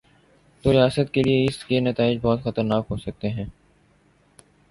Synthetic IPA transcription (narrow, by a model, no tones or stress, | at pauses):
t̪oːɾijaːsət̪kelieɪskenɐt̪aːɪd͡ʒbɔːt̪xɐt̪əɾnaːkɦoːsɐk̚t̪eɦɛ̃ː